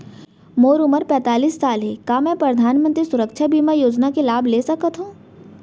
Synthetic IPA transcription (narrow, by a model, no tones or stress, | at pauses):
moːɾʊməɾpɛ̃ːt̪aːliːsːaːlɦɛkaːmɛ̃ːpɾəd̪ʱaːnmə̃nt̪ɾisʊɾəkʃʰabiːmajoːd͡ʒnakelaːbʱleːsɐkət̪ɦũː